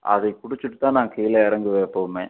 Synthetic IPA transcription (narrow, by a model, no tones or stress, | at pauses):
ʔɐ̰ðɐɪkʊɽɪt͡ʃːɯʈːɯt̪ːãːnãːkɛːjɪlɐɪɾɐŋɡɯʋeːɐpːoːmẽː